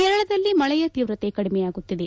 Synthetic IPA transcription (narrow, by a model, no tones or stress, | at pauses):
kɛɾɐɭɐd̪ɐlːimɐɭɐjɐt̪iːʋɾɐt̪ekɐɽimɛjaːɡut̪ːid̪e